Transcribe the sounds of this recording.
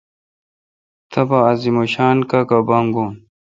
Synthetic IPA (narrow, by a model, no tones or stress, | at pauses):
t̪ʰɐbaːzimoɕaːnkakabaŋɡon